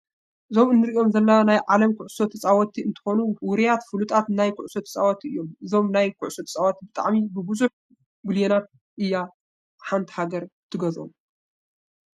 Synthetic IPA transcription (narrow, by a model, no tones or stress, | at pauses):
ʔɨzo̞mɨnːɨɾio̞mzɐlːanajʕalɐmkʰʊʕʊso̞t̪ʰɐt͡sʼawɐt̪ʰiɨnt̪ʰɨ̥xo̞nuwʊɾijat̪fɨlut̪ʰʼat̪najkʰʊʕso̞t̪ʰɐ̥t͡sʼawat̪ʰiɨjːo̞mɨzo̞mnajkʰʊ̰ʕʊso̞t̪ʰɐ̥t͡sʼawat̪ʰibɨt̪ʼa̰ʕmibɨbɨzuħ | ɡuljenat̪̚ | ʔɨjːa | ħant̪ʰhaɡɐɾt̪ʰɨɡɐzo̰m